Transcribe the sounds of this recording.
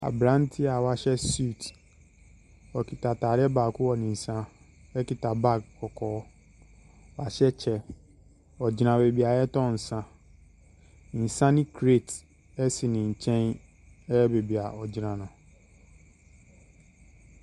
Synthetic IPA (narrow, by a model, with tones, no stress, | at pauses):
a̰˨bɾã˦n˦tʰi˦a˨wa˨ɕɛ˦su˦˨t | ɔ˨kʰi˨ta˨taː˨ɾɪ˦ɛ˦baː˨kʊ˦wɔ˨nɪ̃˨n̩˨sã˦ | ɛ˦ki˨ta˨ba˦k̚kɔ˨kʰɔː˦ | wa˨ɕɛ˦t͡ɕʰɛ˦ | ɔ˨d͡ʑi˨nã˨be˨bi˨a˨jɛ˦tɔ̃˦˨n̩˨sã˦ | n̩˨sã˦nɪ̃˦kʰɾe˦˨t | ɛ˦si˨nɪ̃˨ɲ̩˨t͡ɕʰɛ̃˦n | ɛ˦ɛ˦be˨bi˨a˨ɔ˨d͡ʑi˨nã˨nʊ̃˨